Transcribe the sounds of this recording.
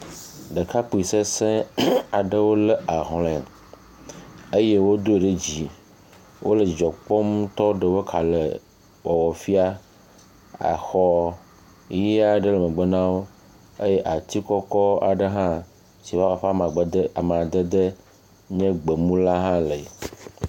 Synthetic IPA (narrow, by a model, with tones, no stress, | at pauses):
ɖə˨ka˦k͡pu˨i˨se˦sɛ̃˦a˨ɖə˦wo˦lə˦a˨ɦlɛ̃˨ | e˦je˦wo˦d̪o˦e˨ɖe˦d͡ʑi˨ | wʔo˦lə˨d͡ʒɔ˨k͡pɔ˦m˦t̪ɔ˦ɖə˨wə˦kʰa˨lə˨ | wɔ˨wɔ˨fi˦a˦ | a̰˨xɔ˦ | ji˦a˦ɖə˦lə˨mə̃˨ɡ͡bə˦nã˦wo˦ | e˦je˦ʔa˨t̪i˦kɔ˦kɔ˦a̰˨ɖə˦ɦã˦ | si˨wa˦a˨ɸa˦mã˨ɡ͡bə˨d̪ə˦a˨m˨a˨d̪ə˦d̪ə˦ | ɲɛ̃˦ɡ͡bə˨mũ˦la˦ɦã˦le˨